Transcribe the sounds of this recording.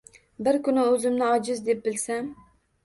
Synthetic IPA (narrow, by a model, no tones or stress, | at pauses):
bɪɾkʊnɪɵzɪmnɪɒd͡ʒɪzd̪ep̚bɪlsam